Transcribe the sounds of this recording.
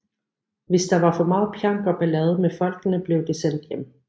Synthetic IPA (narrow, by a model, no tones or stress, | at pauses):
ʋe̝sd̥ɑ̈ʋɑ̈fɒ̽mɑ̈ːð̩ˠpʰjɑ̈ŋ̰ɡ̥ɒ̽b̥ælɛːð̞ˠəmefɒ̽l̰ɡ̥ənəb̥le̝ʊd̥esen̰d̥jem̰